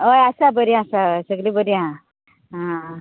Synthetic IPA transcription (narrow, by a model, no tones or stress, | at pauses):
ojasabəɾiasasəɡlibəɾiã | ɦã